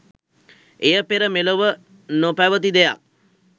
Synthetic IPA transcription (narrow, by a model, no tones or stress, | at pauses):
ejəpeɾəmeloʋə | nopæʋət̪̬id̪eja̰k̚